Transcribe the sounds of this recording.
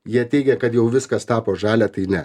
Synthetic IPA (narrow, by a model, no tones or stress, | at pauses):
jiɛt̪ʲɛɪɡʲɛkɐt̪jɛʊʋʲɪskɐst̪ɑːpoːʒɑːlʲæːt̪ɐɪnʲɛ